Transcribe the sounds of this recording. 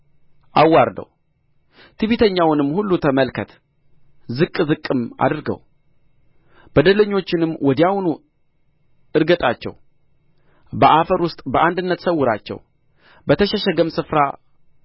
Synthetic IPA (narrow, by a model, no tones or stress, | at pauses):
ʔawːaɾd̪ə̰w | t̪ʰɨβit̪ʰəɲːawnɨmːhulːut̪ʰəməlkʰət̪ | zɨkʼːzɨkʼːɨma̰d̪ɨɾɡə̰w | b̥əd̪ələɲːo̞t͡ʃːɪnɨmːwʔɔd̪jawunu | ɨɾɡət̪ʼat͡ʃːɛ̰w | bəʔafəɾwʊst̪ʼbəʔand̪ɨnːət̪səwːʊɾa̰t͡ʃːɛ̰w | bət̪ʰəʃɛʃɛɡəmsɨfɾa